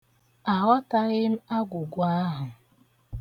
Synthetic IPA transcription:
a˨ɣɔ˦ta˦ɣɪ˦m̩˦a˦ɡʷʊ˨ɡʷʊ˨˦a˦ɦʊ˨

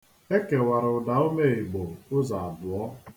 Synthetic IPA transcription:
e˦ke˨wa˨ɾɪ˨ʊ˨da˨˦o˦me˦˨i˨ɡ͡bo˨ʊ˦za˨a˨bʊ˨ɔ˦

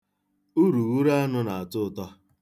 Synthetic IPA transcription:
u˦ɾu˨wu˦ɾa˦a˦nʊ˦na˨a˨tʊ˦˨tɔ˦

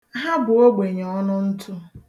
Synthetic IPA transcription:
ɦa˦bʊ˨o˦ɡ͡be˨ɲ˨ɔ˦nʊ˦n̩˦tʰʊ˦

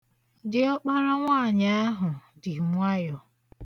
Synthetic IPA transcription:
dɪ˦ɔ˦k͡pa˦ɾa˦ŋʷaː˦˨ɲa˦a˦ɦʊ˨dɪ˨ŋʷ˦a˦jɔ˨

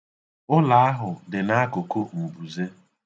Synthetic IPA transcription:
ʊ˦la˨a˦ɦʊ˨dɪ˨na˦ko˨ko˦m̩˨bu˨ze˦

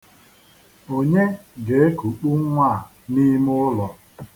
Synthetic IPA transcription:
o˨ɲe˦ɡe˨e˦ku˨k͡pu˦ŋʷa˦˨ | ni˦m˦ʊ˦lɔ˨

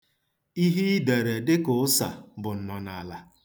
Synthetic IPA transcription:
i˦ɦi˦de˨ɾe˨dɪ˦kʊ˨˦sa̰˨bʊ˨n̩˨nɔ˨na˨la˨

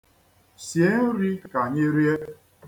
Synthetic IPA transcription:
sje˦n̩˦ɾi˦ka˨ɲe˦ɾje˦

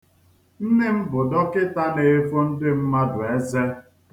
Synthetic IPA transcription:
n̩˦nɪ˦m̩˦bʊ˨dɔ˦kɪ˦ta˦ne˨e˦fo˦n̩˦dɪ˦m̩˦ma˦dʊ˨e˦ze˦

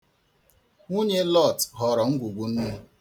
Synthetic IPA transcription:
ŋu˦ɲe˦lɔ˦˨tɦɔ˨ɾɔ˨ŋ̩˦ɡʷu˨ɡʷu˨n̩˦nu˦

